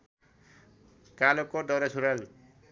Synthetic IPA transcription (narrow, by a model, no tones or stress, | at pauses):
kalɔkːɔdɔɾasʰuɾal